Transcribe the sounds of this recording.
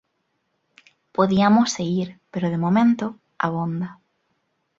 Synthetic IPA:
poðiamosːeɣiɾpeɾoðemomẽnt̪o | a̰βõnd̪ɐ

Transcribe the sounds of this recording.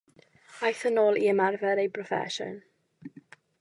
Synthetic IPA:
ajθənoːlˠiəmarvɛɾejpʰɹɔfɛ̰ʃə̰n

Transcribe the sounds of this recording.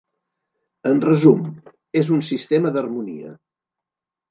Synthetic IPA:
ənrəzum | ezunsist̪eməðərmunḭə̰

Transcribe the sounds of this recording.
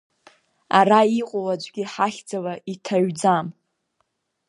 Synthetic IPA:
aɾaiqʷʼowad͡ʒʷɡʲiħaχʲd͡zalaʔitʰaɥd͡zam

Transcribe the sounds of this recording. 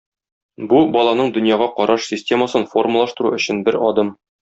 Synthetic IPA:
bubɒlˠɑnɤɴd̪ɵ̆njɑʁɑqɒɾʔɑʃsʲɪsʲtʲe̞məsɤnfo̞rməlˠɑʃt̪ɤ̆ɾuɵ̆ɕɘnbɘɾɒd̪ɤm

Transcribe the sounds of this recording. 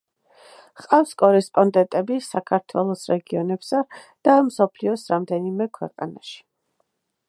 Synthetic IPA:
qʼafskʼɔɾɛspʼɔnd̪ɛnt̪ʼɛbisakʰaɾt̪ʰwɛlˠɔsɾɛɡiɔnɛpsa | d̪̥amsɔpʰliɔsɾamd̪ɛnimɛkʰwɛqʼa̰na̰ʃi̥

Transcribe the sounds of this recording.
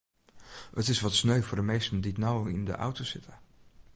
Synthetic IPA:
ətɪsʋɑtsnøɥvʊːɹdəmejstənditnawɪndə̰ʔʌ̰wtosɪtə

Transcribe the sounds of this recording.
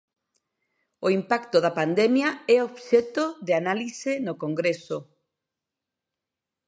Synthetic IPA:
oimpakt̪oðɐpand̪ɛmjaɛoβʃɛt̪oðeanalisɪnokoŋɡɾeso

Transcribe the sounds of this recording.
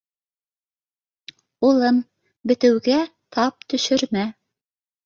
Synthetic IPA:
ulˠɤm | bɘ̆t̪ɘ̆wɡæt̪ʰɑp̚t̪ɵ̆ʃɵ̆ɾmæ

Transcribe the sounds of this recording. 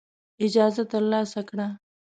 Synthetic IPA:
ɪd͡ʒaːzɐt̪ɐlːaːsɐkɽaː

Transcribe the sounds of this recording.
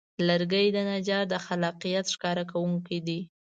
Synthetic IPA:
ləɾɡəjd̪ənad͡ʒɑɾd̪əxalɑqijat̪ʃkɑɾak̬awuŋkid̪i

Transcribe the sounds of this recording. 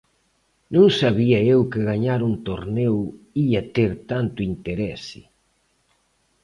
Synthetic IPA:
nõŋsaβiɐewkɪɣaɲaɾunt̪oɾnɛw | iɐt̪eɾt̪ant̪ʊint̪eɾɛsɪ̰

